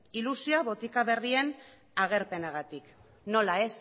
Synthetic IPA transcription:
ilusiaβo̞t̪ikaβe̞rie̞n | aɣ̞e̞ɾpe̞naɣ̞at̪ik | no̞lae̞s

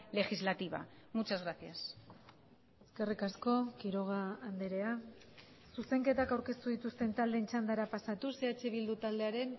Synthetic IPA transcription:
le̞xizlat̪iβa̰mut͡ʃazɣɾasias | e̞ske̞rikasko̞kiɾo̞ɣ̞aːnd̪eɾe̞a | suse̞ŋke̞t̪akawɾke̞st̪uð̞it̪ust̪e̞nt̪ald̪ent͡ʃand̪aɾapasat̪use̞at͡ʃe̞βild̪ut̪ald̪eaɾe̞n

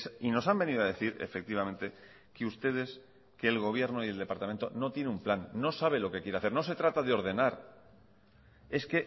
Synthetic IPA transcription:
sino̞sambe̞niðoað̞e̞θiɾḛfe̞k̚t̪iβament̪e̞ | keust̪e̞ðe̞s | ke̞ːlɣ̞o̞β̞je̞ɾno̞ie̞ld̪e̞paɾt̪ament̪ono̞t̪je̞neumplanːo̞saβ̞e̞lo̞ke̞kje̞ɾeaθe̞ɾno̞se̞t̪ɾat̪aðeo̞ɾð̞e̞naɾ | e̞ske̞

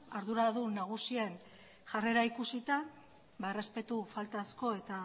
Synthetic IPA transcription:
aɾðuɾaðunaɣ̞usie̞n | ʝare̞ɾaikusit̪a | baere̞spe̞t̪ufalt̪asko̞e̞t̪a

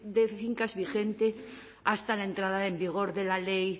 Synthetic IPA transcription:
d̪eθiŋkazβixent̪e | ast̪alaent̪ɾaðaembiɣ̞o̞ɾðelalej

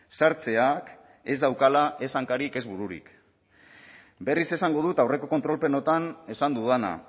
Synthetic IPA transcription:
saɾt͡se̞ak | e̞zd̪awkalaʔe̞saŋkaɾike̞zβuɾuɾḭk | be̞rise̞saŋɡo̞ð̞ut̪awre̞ko̞kot̪ɾo̞lpe̞no̞t̪ane̞sand̪uðana̰

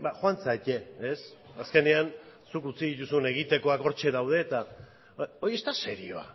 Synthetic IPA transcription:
baxoant͡sace̞ːsaske̞ne̞ansukut͡siðit̪usune̞ɣ̞it̪e̞ko̞ako̞ɾt͡ʃe̞ðawð̞e̞ːt̪a | o̞jie̞st̪ase̞ɾio̞a̰

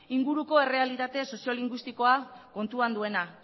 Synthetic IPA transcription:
iŋɡuɾuko̞e̞re̞alit̪at̪e̞so̞sio̞liŋɡwist̪iko̞ako̞nt̪uand̪ue̞na

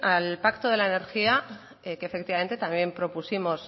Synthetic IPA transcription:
alpakt̪oð̞e̞laene̞ɾxia | ekefe̞k̚t̪iβame̞nt̪et̪ambje̞mpɾo̞pusimo̞s

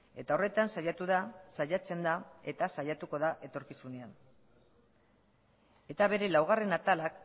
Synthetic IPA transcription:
e̞t̪ao̞re̞t̪ansajat̪uðasajat͡se̞nd̪ae̞t̪asajat̪uko̞ðaʔe̞t̪o̞ɾkisune̞an | e̞t̪aβe̞ɾe̞lawɣ̞are̞nat̪alak

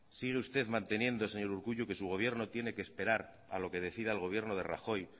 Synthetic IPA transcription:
siɣ̞e̞ust̪e̞ðmãnt̪e̞njẽ̞nd̪o̞se̞ɲo̞ɾuɾɣuʝuke̞suɣ̞o̞βje̞ɾno̞t̪je̞ne̞keːspe̞ɾaɾ | a̰lo̞ke̞ð̞e̞θið̞alɣo̞β̞je̞ɾno̞ð̞e̞̰ra̰xo̞j

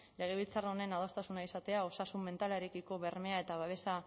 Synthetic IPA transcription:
le̞ɣ̞e̞βilt͡saro̞ne̞nað̞ost̪asunaisat̪e̞ao̞sasumːe̞nt̪aleɾekiko̞βe̞ɾme̞ae̞t̪aβaβe̞sa

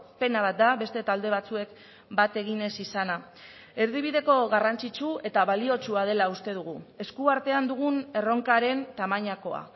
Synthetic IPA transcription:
pe̞naβ̞at̪̚d̪aβe̞st̪e̞t̪ald̪e̞βat͡sue̞k | bat̪e̞ɣ̞ine̞sisana | e̞ɾðiβ̞iðe̞ko̞ɣarant͡sit͡ʃue̞t̪aβalio̞t͡ʃuað̞e̞laust̪e̞ð̞uɣ̞ue̞skuaɾt̪e̞and̪uɣ̞une̞ro̞ŋkaɾe̞nt̪amaɲako̞a̰

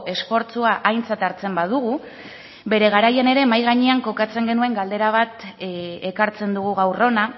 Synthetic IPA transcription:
ʔe̞sfo̞ɾt͡suaʔajnt͡sat̪aɾt͡se̞mbaðuɣu | be̞ɾe̞ɣ̞aɾajene̞ɾe̞ːmajɣaɲeaŋko̞kat͡se̞ŋɡe̞nue̞ŋɡald̪e̞ɾaβ̞at̪ekaɾt͡se̞nd̪uɣ̞uɣ̞awro̞na

